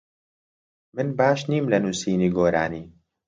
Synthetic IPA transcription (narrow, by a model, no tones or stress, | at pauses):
mɨnbaːʃniːmlɐnuːsiːniːɡoːɾa̰ːniː